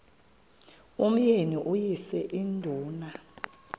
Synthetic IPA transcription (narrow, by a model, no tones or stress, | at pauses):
um̩jeniʔujisɛʔindʱuːna